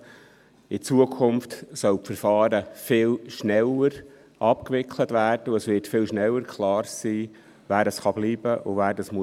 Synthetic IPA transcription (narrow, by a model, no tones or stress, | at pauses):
ɪt͡suəkʰʊmftsœlpfəɾfɑːɾəfɪːlʃnɛləɾ | ʔɑpkʋɪkʰlətvæːrd̥əʊəsʋɪɾtfɪlʃnɛlːəɾkʰlɑːɾsiː | væːɾdɑsχɑbliːb̥əʔʊvæːɾdɑsmu